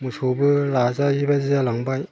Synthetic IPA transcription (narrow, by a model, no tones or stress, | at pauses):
musʰobɯlazajibazizalaŋbaj